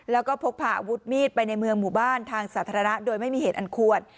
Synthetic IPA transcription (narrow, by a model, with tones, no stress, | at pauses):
lɛː˦˥wkɔː˥˩pʰo˦˥k̚pʰaː˨˩ʔa˧wu˦˥t̪̚miː˥˩t̪̚pa˧jna˧jmɯ˧əŋmuː˨˩baː˥˩nt̪ʰaː˧ŋsaː˩˦t̪ʰaː˧ɾa˧na˦˥doː˧jma˥˩jmiː˧heː˨˩t̪ʔa˧nkʰu˨˩ət̪̚